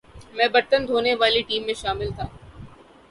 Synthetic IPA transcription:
mɛ̃ːbɐɾt̪ənd̪ʱoːneʋaːliʈiːmːẽʃaːmɪlt̪ʰaː

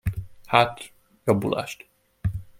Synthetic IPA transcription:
hat̪ | jɒbṵlʔa̰ːʃt̪

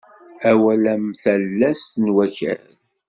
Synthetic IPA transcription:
æwælæmθælːæsnwæçæ̰ɾ

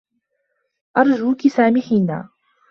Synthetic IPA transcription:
ʔɑɾˤd͡ʒuːkɪsaːmɪːħiːna̰ː

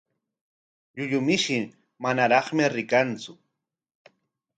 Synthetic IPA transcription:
ʎʊʎʊmɪʃɪ | manaɾɑχmɪɾɪkant͡sʊ

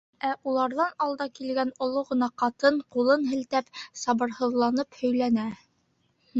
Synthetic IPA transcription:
æʔulˠɑɾðɑnɑlˠd̪ɑkilɡænŏlˠoʁɤ̆nɑqɑt̪ɤɴqulˠɤnɦɘ̆lt̪æpsɑβɤ̆ɾhɤ̆ðlˠɑnɤphɵ̆jlænæ

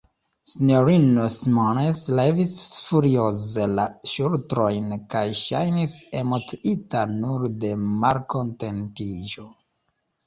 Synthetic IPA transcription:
sinoɾinosmoneslevisfuɾiozelaʃultɾo̞jnkajʃa̰jnise̞mo̞tiitanuɾde̞maɾkonte̞ntiʒo

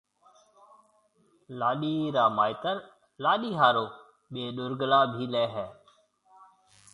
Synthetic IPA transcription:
laːɗiːɾaːmaːɪt̪əɾ | laːɗiːɦaːɾoː | ɓeːɗʊɾɡlaːbʱiːlɛːɦɛː

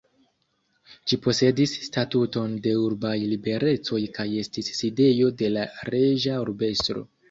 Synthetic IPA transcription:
ʃipo̞se̞disːtatuto̞nde̞uɾbajlibe̞ɾe̞t͡so̞jkaje̞stisːide̞jo̞de̞laɾe̞ʒaoɾbe̞stɾo̞̰

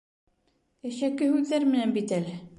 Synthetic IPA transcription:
jæʃækːɘhʉðːæɾmɘ̆nænbit̪ælɘ

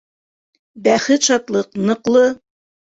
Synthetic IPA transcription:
bæχɘt̪ʃɑt̪lˠɤqnɤ̆qlˠɤ

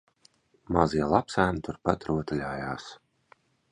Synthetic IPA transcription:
maziɛlˠapsæːnit̪uɾpat̪ɾuɔt̪alʲaːjaːs

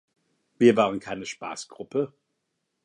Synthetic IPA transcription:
viːɐvaːʁənkʰaɪnəʃpa̰ːsɡ̥ʁʊpə

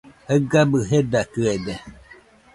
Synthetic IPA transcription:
həɡabɯɦedakɯede

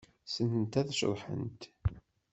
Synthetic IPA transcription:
sənnt̪æðʃðˤħə̰nt̪

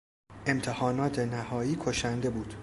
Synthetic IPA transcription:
e̞mt̪ʰehɒːnɒːt̪ʰe̞næhɒːiːkʰoʃænd̪e̞buːd̪̥

